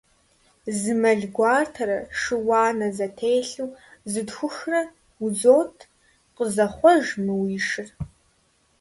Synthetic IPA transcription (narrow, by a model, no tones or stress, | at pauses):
zɨmɐɮɡʷɑːrtʰɐɾɐʂɨwɑːnɐzɐtʰejɬuːzɨdxʷʊxrɐ | zoːtʰ | qəzɐχʷɔʒmɨwiʂɨr